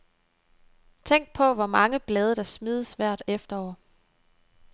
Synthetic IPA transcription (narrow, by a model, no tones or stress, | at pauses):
t͡sʰeŋ̰ɡ̥̚pʰɒ̽ʋɒmɑ̈ŋəb̥lɛːð̞ˠɐɾ̥ɑ̈smiːð̞ˠəsʋæɐ̰d̥efd̥ɐɒ̰ːɐ